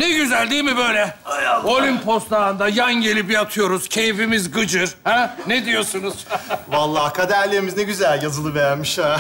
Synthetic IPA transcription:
nɛɟyzælʲd̪ijmibøjlʲɛo̞lʲympʰo̞st̪aɯnd̪ajanɟe̞lʲip̬jat̪ʰɯjo̞ɾuz̥cʰe̞jfimizɡɯd͡ʒɯɾ̥hæned̪ijo̞sunuz̥valˠːaːkʰad̪æɾlʲemiznɛɟyzælʲjazɯlˠɯvɛjæɾmiʃa

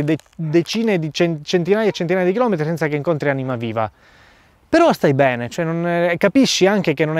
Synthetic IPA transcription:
d̪ed̪et͡ʃiːned̪it͡ʃent͡ʃent̪inaːjaet͡ʃːent̪inaːjad̪ikilɔːmet̪ɾisɛnt̪sakeiŋkont̪ɾianimaviːva̰ | peɾɔst̪ajbɛːnet͡ʃoɛnonkapiʃːiaŋk̟ekenːonɛ

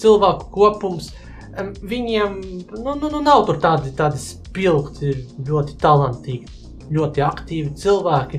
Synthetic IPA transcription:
t̪silˠvæːku̥kuɔpums | vʲiɲiɛmnunnunawt̪uɾt̪aːd̪it̪aːd̪s | pilˠkt̪ilʲuɔt̪i̥t̪alˠant̪iːɡ | ʎʲuɔt̪iakt̪iːvit̪silˠvæːkʲi

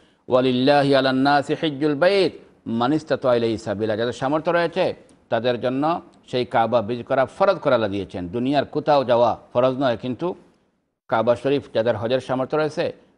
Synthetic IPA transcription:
wʔalilːaːɦialanːaːsiħid͡ʒːulbejt̪ | manist̪at̪ailejisabilad͡ʒad̪eɾʃamɔɾt̪ʰɔɾɔjet͡ʃʰe | t̪ad̪eɾd͡ʒɔnːɔ | ʃejkababid͡ʒkɔɾafʰɔɾɔd̪kɔɾalad̪ijet͡ʃʰend̪unijaɾkut̪ʰawd͡ʒawafʰɔɾɔznɔjkint̪u | kabaʃɔɾifd͡ʒad̪eɾɦɔd͡ʒeɾʃamɔɾt̪ʰɔɾɔjese

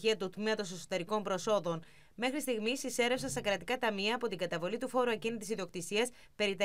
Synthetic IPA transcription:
iɐt̪ut̪meɐt̪o̞se̞so̞t̪e̞ɾiko̞mpɾo̞so̞ðo̞n | me̞xɾist̪iɣmisise̞ɾe̞fsɐnst̪ɐkɾɐt̪ikɐt̪ɐmiɐːpo̞t̪iŋɡɐt̪ɐvo̞lit̪ufo̞ɾuɐcinit̪isiðio̞k̚t̪isiɐs | pe̞ɾit̪

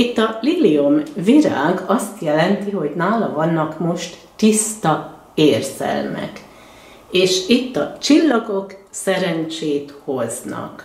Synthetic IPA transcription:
it̪ːɒliliomviɾaːɡɒst̪jɛlɛnt̪iɦo̞ɟnaːlɒvɒnːɒkmo̞ʃt̪ːist̪ɒ | eːrz̥ɛ̰lmɛ̰k | eːʃit̪ːɒt͡ʃilːɒɡo̞ksɛɾɛnt͡ʃeːt̪ho̞znɒ̰k

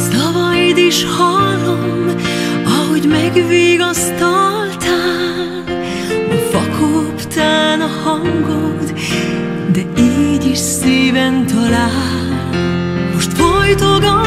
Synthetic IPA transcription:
sɒvɒjd̪iʃhɒlom | ɒɦo̞ɟmɛɡviːɡɒst̪olt̪aː | ɒfɒkʰopt̪aːnɒhɒŋɡod̪ | d̪ɛiːɟiʃseːvɛnt̪ɒlaː | l | mo̞ʃt̪fojt̪oɡɒ

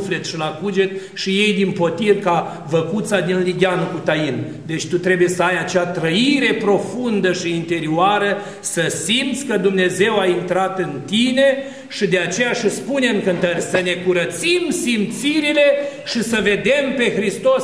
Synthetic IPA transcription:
flet̪ʃilakud͡ʒe̞t̪ | ʃije̞jd̪inpo̞t̪irka | vəkut̪sad̪inliɡʲanukut̪ajin | d̪e̞t͡ʃʲt̪ut̪ɾe̞buje̞səajat͡ʃeat̪ɾəiɾe̞pɾo̞fund̪əʃiːnt̪e̞ɾioaɾə | səsimt̪sʲkəd̪umne̞ze̞waint̪ɾat̪ɨnt̪ine̞ | ʃid̪e̞at͡ʃe̞jaʃispuneɨŋkɨnt̪ərʲsəne̞kuɾət̪simsimt̪siɾile̞ʃisəve̞d̪e̞mpe̞xɾist̪o̞s

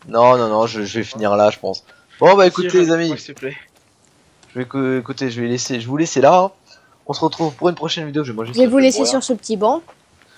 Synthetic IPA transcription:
nɔ̃nɔ̃nɔ̃ʒəʒəvɛfiniʁlaʒəpɑ̰̃s | bɔ̃baekut̪ezami | ʒ̥əvɛkuekut̪eʒəvɛleseʒəvuleselã | ɔ̃səʁət̪χuvpuʁynpχɔʃɛnvid̪eoʒəvɛmɑ̃ʒeʒɛvulesesyʁsəpət̪ibɑ̃

